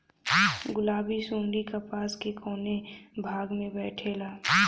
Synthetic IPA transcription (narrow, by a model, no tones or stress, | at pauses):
ɡʊlaːbisũːɳɖikapaːskekʰɔːnebʱaːɡmẽbɛːʈʰeːlaː